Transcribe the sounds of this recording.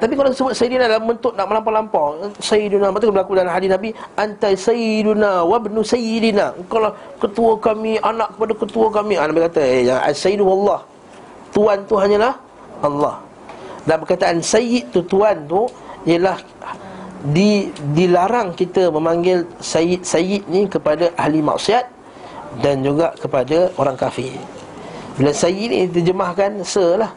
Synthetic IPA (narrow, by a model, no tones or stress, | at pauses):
t̪ap̬ikalaksəbʊt̪̚sajidinadalambənt̪ʊt̪̚naʔ̚məlampalampasajidunamat̪ukabəlakudalamɦadisnabiʔant̪asajidunawabnusajidinakawlah | kət̪uəkamiʔanaʔkə̥padakət̪uəkamĩanabikat̪əjaŋa̰sajiduwalːɑh | t̪uant̪uɦaɲalah | ʔalːɑh | danbəkat̪aʔansajɪʔt̪ut̪uant̪uiəlah | didilaɾaŋkit̪əməmaŋɡɪlsajɪʔ̪̚sajɪʔ̪̚nĩkəpadaʔahlima̰ʔsiat̪̚ | dand͡ʒuɡaʔkəpadaoɾaŋkafɪ | bilasajɪʔnḭit̪əd͡ʒəmahkansəlah